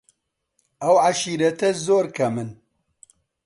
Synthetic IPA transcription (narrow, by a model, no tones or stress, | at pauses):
ɐwʕaʃiːɾɐt̪ɛzoːɾkʰɐmɨn